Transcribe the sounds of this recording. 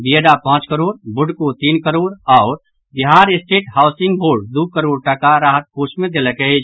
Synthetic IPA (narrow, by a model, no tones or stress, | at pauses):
bieɖapãːt͡ʃkəɾoːɾbʊɖkot̪iːnkəɾoːɾɔʊɾ | biɦaːɾɪsʈeːʈhaːʊsɪ̃ŋɡboːɾɖd̪ukəɾoːɾʈakaɾaːɦət̪̚koːsmẽd̪eləkeed͡ʒ